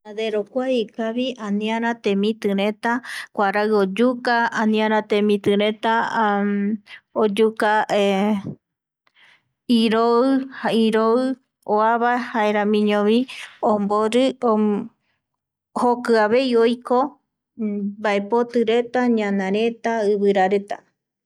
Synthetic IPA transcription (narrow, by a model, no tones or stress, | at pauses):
ad̪eɾokʷaikaβiãnĩãɾat̪ẽmĩt̪ɨɾẽ̞t̪akʷaɾaɨod͡ʒukaːnĩãɾat̪ẽmĩt̪ɨɾet̪a | od͡ʒuka | iɾoɨhaiɾoɨ | oaβahaeɾãmĩɲõβiõmboɾɨ | hokɨaβe̞iojko | baepot̪ɨɾe̞t̪aɲãnãɾe̞t̪aɨβɨɾaɾet̪a̰